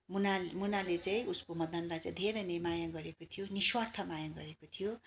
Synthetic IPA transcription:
munamunalet͡saĩʔuskomʌd̪ʱʌnlajt͡sʌĩd̪ʱeɾʌjnimajaɡʌɾekot̪ʰijoniswart̪ʰʌmajaɡʌ̰ɾekot̪ʰijo

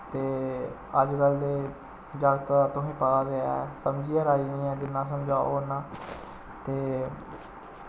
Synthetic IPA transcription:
t̪eːəd͡ʒkəld̪eː | d͡ʒaːɡt̪ːt̪ʊɦĩːpəɡaːd̪eːɛ̰səmd͡ʒiːaɾaːiːnĩːɛ̃ːd͡ʒɪnːãːsəmd͡ʒaːnãː | t̪eː

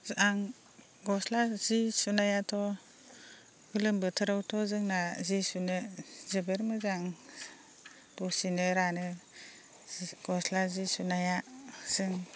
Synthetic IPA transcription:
aŋ | ɡɔslazisunajatʰɔ | ɡɯlɯmbɯtʰɯɾawtʰɔzɯŋnazisunɯzɯbeɾmɯzaŋ | b̥ɔsinɯɾanɯ | ɡ̥ɔslazisunajasɯŋ

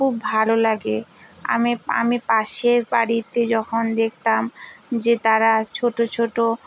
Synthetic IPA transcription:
kubbʱalolaɡea̰mia̰mipaʃeɾbaɽit̪ed͡ʑɔkʰond̪ek̚ʰt̪amd͡ʑet̪aɾat͡ɕʰoʈot͡ɕʰoʈo

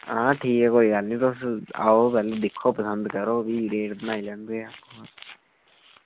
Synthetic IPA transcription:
ãːʈʰiːkɛːkoːiːɡəlnĩːt̪osa̰ːoːpɛːled̪ɪkʰːoːpəsənd̪kəɾoːʋiːɾeːʈbənaːilɛ̃ːnd̪eːakoː

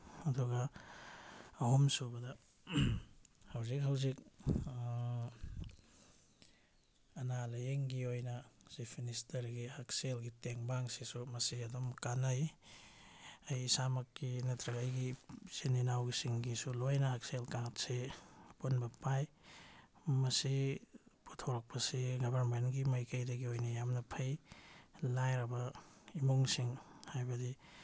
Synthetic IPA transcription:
ɐduɡa | humsubɐda | hawzik̚ɦawzik̚ | ɐnalajeŋɡiojnɐsipʰministɐɾɡihak̚selɡiteŋbaŋsesumɐsiɐdɔmkanaj | ajsamɐkːinɐtɾɐɡɐjɡisininawɡisiŋɡisulojnɐhak̚selkaŋtsepunbɐpaj | mɐsiputʰoɾɐk̚pɐsiɡɐbʱɐɾmenɡimɐjkɐjdɐɡiojnɐjamnɐpʰɐj | lajɾɐbɐimuŋsiŋhajbɐdi

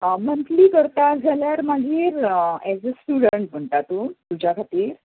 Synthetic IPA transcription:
mənt̪liːkəɾt̪ad͡zʱaljaɾmaɡʱiːɾɛd͡zəsʈuɽəɳʈ̚m̤əɳʈ̪at̪ut̪ud͡ʑʱjakʰat̪iːɾ

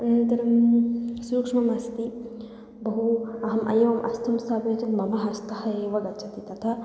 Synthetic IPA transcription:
ɐnɐnt̪ɐɾɐmsuːkʂmɐmɐst̪i | bɐɦuɐɦɐmʔɐ̰jɐʋɐmʔɐ̰st̪ʰɐmsaːbɐːt̪ɐmmɐmɐɦɐst̪ɐɦɐeːʋɐɡɐtːt͡ʃʰɐt̪it̪ɐt̪ʰɐ

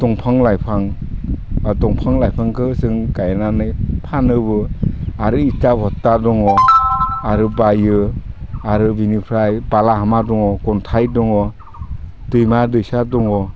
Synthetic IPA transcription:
d̥ɔŋpʰaŋlajpʰaŋ | tɔŋpʰaŋlajpʰaŋkʰɯsɯŋkajananɯjpʰanɯbɯaɾɯitabʱɔtːadɔŋɔ | aɾɯbajɯ | aɾɯbinipʰɾajbalaɦamadɔŋɔkɔntʰajdɔŋɔ | d̥ɯjmadɯjsadɔŋɔ

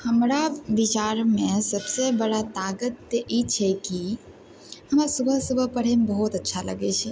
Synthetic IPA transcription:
həmɾaʋit͡ʃaɾmẽsəbsebəɽat̪aɡət̪ːʔit͡ʃʰɛki | həmsubʱəsubʱəpəɽ̤emebəɦut̪ətːʃʰalə̰ɡet͡ʃʰɛ

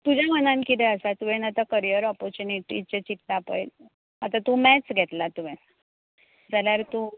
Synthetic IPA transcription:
t̪ud͡ʑʱamənãnkit̪ɛəsat̪uʋẽnat̪akəɾijəɾɔpɔɾt͡ɕuniʈḭt͡ɕet͡ɕit̪ːapə̰jl | at̪at̪umɛt͡sɡʱet̪lat̪uʋẽn | d͡zaljaɾt̪u

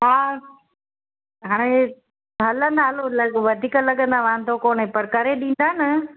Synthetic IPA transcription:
ɦaː | ɦaːɽ̃e | ɦɐlə̃nd̪aːlolɐʋɐd̪ʱiːkəlɐɠə̃nd̪aʋãːnd̪ʱokoːnẽpɐɾkɐɾeɗĩːnd̪aːnɐ

